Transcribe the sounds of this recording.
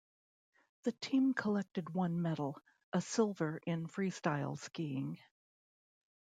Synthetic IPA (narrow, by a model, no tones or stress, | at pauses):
ðɨtʰĩmkʰəlɛk̚tɨd̚wʌ̃nmɛɾl̩ˠ | ʔəsɪlˠvə˞ʔɪ̃nfɹistaɪlˠskiɪ̃ŋ